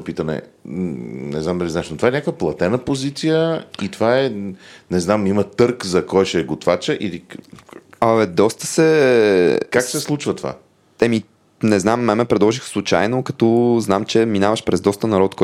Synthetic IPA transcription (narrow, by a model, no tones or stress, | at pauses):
opit̪ənɛ̰ | nɛ̰zamd̪əlʲizaɛʃnot̪ovaɛnʲakəvəplˠɐt̪ɛnəpozit̪sijəit̪ovaɛnɛznamimət̪ɤɾkzɐkɔjʃɛɡot̪vat͡ʃəʔili | aɛd̪ɔst̪ə̥sɛ | kaksɛslˠut͡ʃvət̪va̰ | ɛmi | nɛznamːɛmɛpɾɛd̪lˠɔʒixfslˠut͡ʃa̰jnokɐt̪ɔznamt͡ʃɛminavəʃpɾɛzd̪ɔst̪ənɐɾɔt̪kɔ